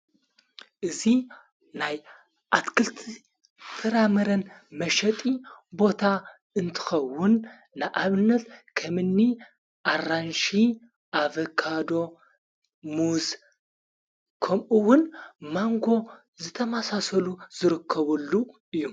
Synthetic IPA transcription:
ʔɨzi | naj | ʔat̪kʰɨlt̪ʰi | fʰɨɾamɐɾɐnmɐʃɐt̪ʼibo̞t̪ʰa | ɨnt̪ʰɨ̥xɐwʊnː | ɨʔaβɨnːɐt̪kʰɐmɨnːi | ʔaranʃi | ʔavɐkʰad̪o̞ | muz | kʰɐmʔuwʊnmaŋɡo̞ | zɨt̪ʰɐmasasɐluz̥ɨɾɨkʰːɐβɐlːuʔɨjːum

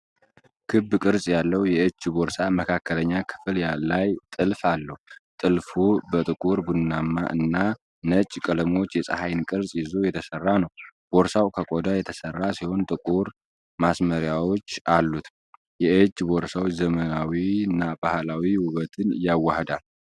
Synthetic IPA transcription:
kʰɨbːkʼɨɾsʼjalːəwjɛt͡ʃːboɾsaməkʰakːələɲːakʰɨ̥fljalajt̪ʼɨlfalːəht̪ʼɨlfubət̪ʼɨkʼuɾbunnːamːa̰ʔɨ̰nːa | nət͡ʃʼkʼələmo̞t͡ʃːjɛsʼa̰hajnkʼɨɾsʼjɪzo̞jɛt̪ʰəsərːanəwb̥oɾsawkʰəkʼod̪ajɛt̪ʰəsərːasiho̞nt̪ʼɨkʼuɾ | masməɾjawo̞t͡ʃːalːut̪ | jɛɨt͡ʃʼːboɾsawt͡ʃzəmənawiɨnːabahlawiwʊβət̪ʰɨnjawːahd̪al

